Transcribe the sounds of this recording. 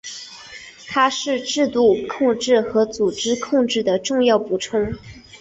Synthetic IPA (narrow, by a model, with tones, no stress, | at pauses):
t̪ʰa˥ʂɻ̩˥˧ʈ͡ʂɻ̩˥˧t̪u˥˩kʰʊ˥˧ŋʈ͡ʂɻ̩˥˩xɤ˧˥t͡su˨˩ʈ͡ʂɻ̩˥kʰʊ˥˧ŋʈ͡ʂɻ̩˥˩d̪ə˩ʈ͡ʂʊ˥˧ŋjɑ˥˩ʊpu˨˩ʈ͡ʂʰɤ˥ŋ